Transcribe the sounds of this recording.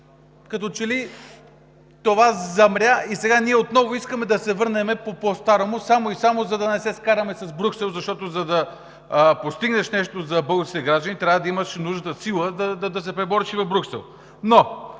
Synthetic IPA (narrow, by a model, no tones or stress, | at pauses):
kɐt̪ɔt͡ʃɛli | t̪ovazɐmɾʲaisɛɡaniɛot̪nɔvoiskəmɛd̪ɐsɛvɤɾnɛmɛpopost̪aɾomosamoisamozɐd̪ɐnɛsɛskaɾɐmɛsɐzbɾʲuksɛlˠzɐʃt̪ɔt̪ozɐd̪ɐ | post̪iɡnɐʃnɛʃt̪ozɐbɤɡosit̪ɛɡɾaʒd̪ənit̪ɾʲavəd̪ɐiməʃnuʒnət̪əsilˠəd̪ɐd̪ɐd̪ɐs̬ɛpɾɛbɔɾiʃivɐvbɾʲuksɛ̰lˠ | no